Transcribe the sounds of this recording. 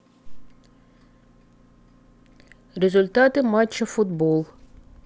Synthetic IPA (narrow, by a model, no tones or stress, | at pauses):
rezʊlʲt̪ɑt̪ɪmɑt͡ʃːɐfʊd̪bɔlˠ